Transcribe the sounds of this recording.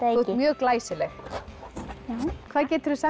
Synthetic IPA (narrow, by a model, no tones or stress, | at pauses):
mjœːɣklaːjsɪlɛx | kʰvaːðcɛːt̪ɾʏsɛ